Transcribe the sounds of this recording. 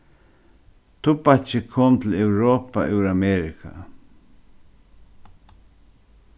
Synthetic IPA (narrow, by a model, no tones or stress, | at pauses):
t̪upat͡ʃɪkʰomt̪l̩ewɾopa̰ʔewɾameɾikʰa̰